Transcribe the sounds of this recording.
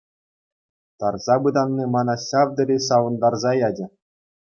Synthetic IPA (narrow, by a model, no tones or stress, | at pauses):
t̪ɑrzɑbɯd̪ɑnːimɑnɑsʲɑvd̪ɤ̆ɾʲisɑʋɤ̆nd̪ɑrzɑjɑdʲɘ̆